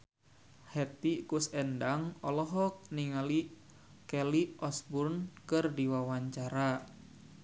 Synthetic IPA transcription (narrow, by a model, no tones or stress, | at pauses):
hɛt̪ikusɛndaŋɔlɔɦɔk̚niŋali | kɛliʔɔsburnkɨrdiwawaɲt͡ʃaɾa